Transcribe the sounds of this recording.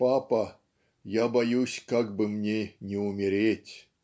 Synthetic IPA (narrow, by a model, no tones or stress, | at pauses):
papɐ | jabɐjusʲkaɡbɨmnʲenʲɪʊmʲɪɾʲetʲ